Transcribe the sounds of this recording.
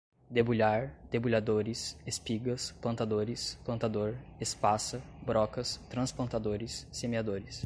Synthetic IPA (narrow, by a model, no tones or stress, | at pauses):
d̪ebuʎaɾd̪̥ebuʎad̪oɾɪsespiɡɐsplɐ̃nt̪ad̪oɾɪsplɐ̃nt̪ad̪oɾespasɐbɾɔkɐst̪ɾɐ̃splɐ̃nt̪ad̪oɾɪsːemead̪oɾɪs